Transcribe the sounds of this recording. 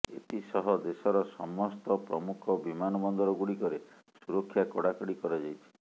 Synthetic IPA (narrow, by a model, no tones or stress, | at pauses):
ḛt̪isɔɦɔd̪esɔɾɔsɔmɔst̪ɔpɾɔmukʰɔbimanɔbɔnd̪ɔɾɔɡuɽikɔɾe | suɾɔkʰːjakɔɽakɔɽikɔɾad͡ʒajt͡ʃʰi̥